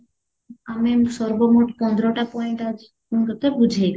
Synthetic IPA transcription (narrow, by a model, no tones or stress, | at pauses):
amesɔɾbomoʈpɔnd̪ɾoʈapɔjɳʈad͡ʒi | kunkɔt̪ebud͡ʒʱejk